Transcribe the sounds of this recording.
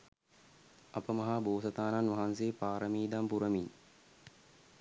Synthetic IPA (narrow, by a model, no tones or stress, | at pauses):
ɐpəmɐɦaboːsɐt̪aːnanʋaɦanseːpaːɾəmiːd̪ampuɾəmin